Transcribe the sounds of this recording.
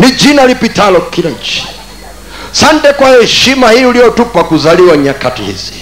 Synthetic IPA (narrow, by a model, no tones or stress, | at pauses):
nid͡ʒinalipitalɔkilaɲt͡ʃi̥ | santɛkwahɛʃimahiulijɔtupakuzaliwaɲakatḭhḭzi̥